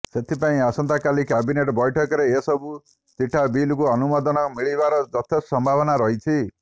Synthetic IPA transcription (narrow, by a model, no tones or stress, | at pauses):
set̪ʰipaĩasʌnt̪akalikabineʈbʌjʈʰʌkɾeesʌbu | t͡siʈʰːabilkuʌnumʌd̪ʌnʌmiɭibaɾʌd͡zʌt̪ʰestsʌmbʱabʌnaɾʌɦjt͡sʰi